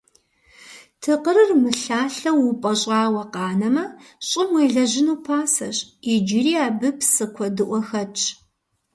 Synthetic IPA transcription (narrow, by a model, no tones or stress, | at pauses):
tʰɨqəɾɨrmɨɬaːɬɐwupʼɐɕʼɑːwɐqɑːnɐmɐɕʼɪmwejɮɐʑɪnuːpʰaːsɐɕʼɪd͡ʒɪriːaːbɨpʰsɨkʷʰɔdɨʔʷɔxɐt͡ʃʼ